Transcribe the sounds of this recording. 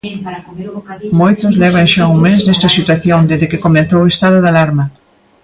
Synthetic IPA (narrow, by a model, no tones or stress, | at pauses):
mojt̪ʊzlɛβ̞aŋʃauŋmeznest̪ɐsit̪waθjond̪ezðɪkekomẽnθowest̪aðoðalaɾmɐ